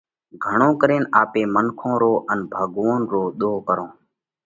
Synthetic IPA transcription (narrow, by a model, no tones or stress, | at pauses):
ɡʱəɳõːkəɾeːnʔaːpeːmənkʰõːɾoːʔənbʱaːɠʋõːnɾoːɗ̪oːkəɾõː